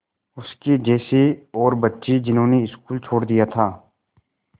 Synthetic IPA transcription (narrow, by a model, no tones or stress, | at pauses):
ʊskid͡ʒɛːseɔːɾbɐtːʃid͡ʒɪnɦõːneɪskuːlt͡ʃʰoːɽd̪ijat̪ʰaː